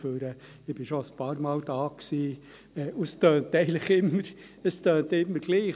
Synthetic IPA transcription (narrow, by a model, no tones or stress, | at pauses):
føːɾə | ɪb̥ɪʃoəspɑːɾmɑːld̥ɑːksiː | ɛːʔustœːnt̪ɛɪɡənləχɪmːəɾ | əst̪øːnt̪ɪmːəɾɡ̥liː